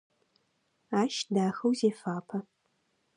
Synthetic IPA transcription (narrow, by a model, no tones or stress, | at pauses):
aːʃdaːxɐwzeːfaːpʰɐ